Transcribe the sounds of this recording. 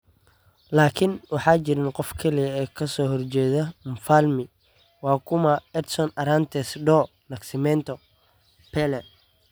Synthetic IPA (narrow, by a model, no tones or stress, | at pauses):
laːkʰɪnwɑħɑːt͡ʃɪɾɪnqɔfkʰɐlijɐɛːkʰɐsɔːɦɔrt͡ʃɛːðɐmfalmɪ | wɑːkʰʊmɐɛt̪sɔnɐɾant̪ʰɛsɖɔː | nɐksɪmɛnt̪ʰɔ | pʰɛlɛ